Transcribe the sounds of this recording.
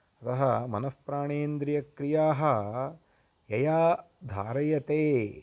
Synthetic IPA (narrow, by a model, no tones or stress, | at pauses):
ɐt̪ɐɦɐmɐnɐspɾaːɳeːnd̪ɾijɐkɾijaːɦɐ | jɐjaː | d̪ʱaːɾɐjɐt̪eː